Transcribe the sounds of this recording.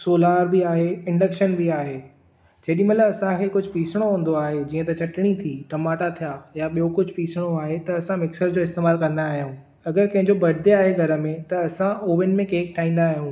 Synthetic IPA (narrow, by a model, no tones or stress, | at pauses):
soːlaːɾbiaːɦeɪ̃ɳɖəkʃənbiaːɦeː | d͡ʑɐɦːɗĩmɐt̪ləbɐsãkʰeːkʊd͡ʑʱʊpiːsɪɽ̃oɦũːn̆d̪oaːɦed͡ʑiːə̃t̪ɐt͡ɕɐʈɪɽ̃it̪ʰiːʈɐmaːʈat̪ʰijajaɓijokʊd͡ʑʱʊpiːsɪɽ̃oaːɦet̪ɐːsãmɪksəɾd͡ʑoːɪst̪eːmaːlkɐ̃nd̪aːɦijũː | ɐɡəɾkɐ̃ɦɪ̃ɲd͡ʑobɐɽɪd̪eaːɦeɡʱɐɾə̆mẽt̪ɐɐsãoːʋɪnɪ̆mẽkeːkʈʰaːɦĩːn̆d̪aːɦijũː